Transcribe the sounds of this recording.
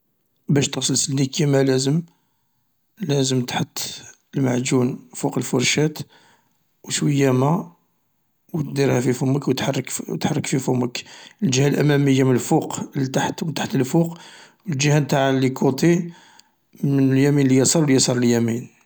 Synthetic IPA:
bæʃt̪əɣsˤəlsəld̪ikjæmælæzəm | læzəmt̪ħət̪ˤː | əlmaʕd͡ʒunfuqəlfʊɾˤʃæt̪ | wswəjːæmæ | wət̪d̪iɾhæfifʊməkwət̪ħɑrˤːəkt̪ħɑrˤːəkfifuməkəlʒəhælʔæ̰mæməjːamənəlfuqt̪aħt̪wət̪ḁħt̪əlfuqwəld͡ʒəhænt̪aʕlikut̪i | mənəljæminlijɑsˤɑɾwlijɑsˤɑɾˤəljæmin

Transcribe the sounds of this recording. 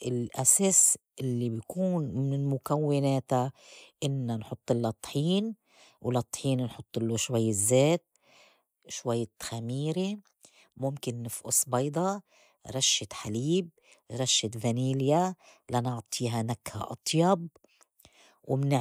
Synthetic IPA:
ʔɪlʔaseːsʔɪlːibjkuːnmɪnɪlmʊkawːɪneːt̪aʔɪnːanħʊt̪ˤːɪlːɑt̪ˤːħiːn | wlɑt̪ˤħiːnnħʊt̪ˤːɪlːoʃwajːɪzːeːt̪̚ | ʃwajːɪt̪xamiːɾe | mʊmkɪnːɪfʔʊ̰sbɑjd̪ˤɑ | ɾˤɑʃːɪt̪ħaliːb̚ | ɾˤɑʃːɪt̪ðaniːljalanɑʕt̪ˤʰiːɦanakha̰ʔɑ̰t̪ˤjɑb̚ | wɪmnɪ

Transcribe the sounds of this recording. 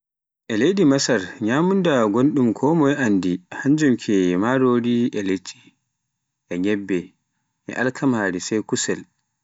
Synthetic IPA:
ʔɛlejdimasaɾɲaːmundaɡonɗumkʰɔːmɔjandihaɲd͡ʒumkʰɛmaɾoɾiɛlet͡ʃʼːi̥ | ʔɛɡɛbːɛ | ʔɛ̰ʔalkʰamaːɾisɛjkusɛl

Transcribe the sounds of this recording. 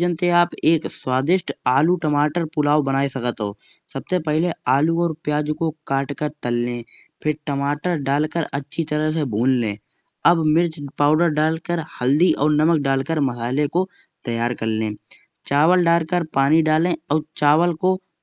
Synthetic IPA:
d͡ʒənt̪eaːpeːkswaːd̪ɪʃʈaːluʈəmaːʈəɾpʊlaːwbənaːesɐkət̪ɦo̰ː | səb̚sepɛɦleaːluɔːɾpjaːd͡ʒkokaːʈkəɾt̪əlːẽː | pʰɪɾʈəmaːʈəɾɖaːlkəɾətːʃʰit̪əɾəɦsebʱuːnlẽː | əbmɪɾd͡ʒpaːʊɖəɾɖaːlkəɾhəld̪iʔɔːɾnəmək̚ɖaːlkəɾməsaːleko | t̪əjaːɾkəɾlẽː | t͡ʃaːwəlɖaːlkəɾpaːniɖaːlẽɔːɾt͡ʃaːwəlko

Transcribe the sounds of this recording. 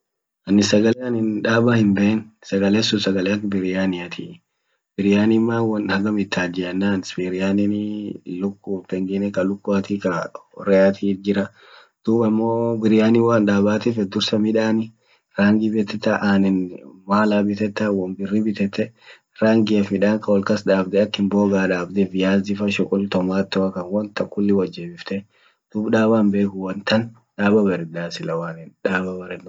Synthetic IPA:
ʔɐnːɪsɐɡɐleɐnɪnᶑaːbahɪmbɛʔɛnsɐɡɐleːsʊsɐɡɐlɛɐkbɪɾɪjaːnɪɐt̪ʰi | b̥ɪɾɪjaːnɪmːaːwɐnhɐɡɐmɪt̪ʰːaːd͡ʒɪɐnːaːnspiɾɪjaːnɪnɪlʊkːutːɛŋɡɛnɛkɐlʊkːʊɐt̪ikɐɔ̰ɾɛat̪ʰiːd͡ʒɪɾɐ | d̪̥uːbɐmːoːbɪɾɪjaːnɪwaːnᶑaːbaːt̪ɪfɛd̪ʊɾsɐmɪᶑaːnɪ | ɾaːŋɡɪbɛt̪ːɛt̪ːɐʔaːnɛnmaːlaːbɪt̪ɛt̪ːɐwɐmbɪrːibɪt̪ɛt̪ːɛ | ɾaːŋɡɪɛfmɪᶑaːŋkɐwɔlkɐsᶑaːbd̪ɛɐkːɪnboːɡaːᶑaːbd̪ɛfɪjaːzɪfɐʃɔkʼʊlt̪ɔmaːt̪ːɔɐkɐnwɐnt̪ɐkːʊlːɪwɐd͡ʒːɛːbɪft̪ɛ | d̪̥uːbᶑaːbaːmbe̞ːkʊwɐnt̪ɐn | ᶑaːbɐbɐɾɪd̪aːsɪlɐwaːnɛnᶑaːbɐbɐɾɛd̪

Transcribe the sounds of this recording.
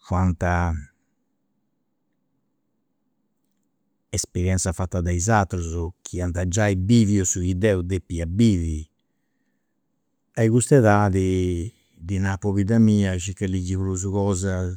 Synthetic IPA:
kwant̪a | ɛspɛɾjɛnt̪safat̪ːad̪ajzat̪ːɾuzɔkʰiant̪ad͡ʒajbiviɔsuid̪ɛud̪epːiabiːvi | ajɣust̪ɛðaði | d̪inapɔβid̪amiːaʃikːalid͡ʒiβluz̬ukɔːza

